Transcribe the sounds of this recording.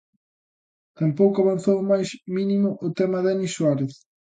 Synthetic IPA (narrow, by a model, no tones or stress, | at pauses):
t̪ampowkʊaβanθowmajsminimʊʔʊt̪ɛmɐðaniswaɾeθ